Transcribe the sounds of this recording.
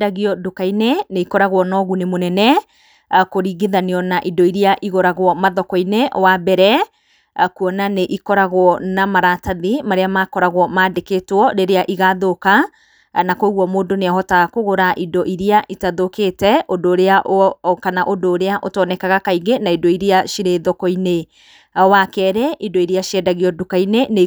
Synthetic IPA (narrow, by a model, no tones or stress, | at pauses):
daɣiɔdokaineneikɔɾaɣwɔnɔɣunemonɛnɛ | koɾiːɡeðaneɔnaʔidɔiɾiaʔiɣɔɾaɣwɔmaðɔkɔinewabɛɾɛ | kuɔnaneʔikɔɾaɣwɔnamaɾataðimaɾeamaːkɔɾaɣwɔmaːdeketwɔɾeɾeaʔiɣaðoka | nakoɣwɔmoːdoneaɦɔtaɣkoɣoɾaʔidɔʔiɾiaʔitaðoketɛʔodoːɾeaʔokanaʔodoːɾeaʔotɔnɛkaɣakaiɡenaidɔiɾiaʃiɾeðɔkɔine | wakɛːɾɛʔidɔiɾiaʃiɛdaɣiɔdukainene